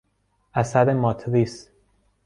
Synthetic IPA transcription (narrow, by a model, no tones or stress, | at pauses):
ʔæsæd̪emɒːt̪ʰɾis